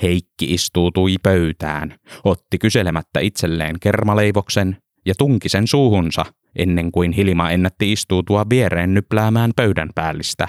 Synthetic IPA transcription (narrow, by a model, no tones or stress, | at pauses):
heikːiist̪uːt̪uipøyt̪æ̰ːnot̪ːikyselemæt̪ːæ̰it̪selːḛːŋkermɑleiʋoksen | jɑt̪uŋkisensuːhunsɑ̰ | ʔḛnːeŋkuinhilimɑenːæt̪ːiist̪uːt̪uɑʋʋieɾeːnːyplæːmæːmpøydæ̰mpæːlːist̪æ̰